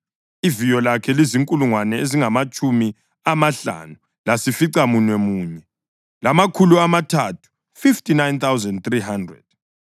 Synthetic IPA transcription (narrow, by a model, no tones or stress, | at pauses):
ivijɔlakʰɛliziŋkʼuluŋwanɛeziŋamat͡ʃʼumi | amaɬa̰nu | lasifiǀamunwɛmuːɲɛ | lamakʰuluamatʰatʰu̥ | fiftinajnt̪awzɛndt̪riɦandrɛ̰d̥